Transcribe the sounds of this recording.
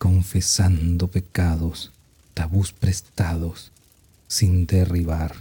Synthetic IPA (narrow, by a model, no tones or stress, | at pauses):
ko̞ɱfesand̪ope̞kaðos | t̪aβuspɾest̪aðosː | ind̪eriβaɾ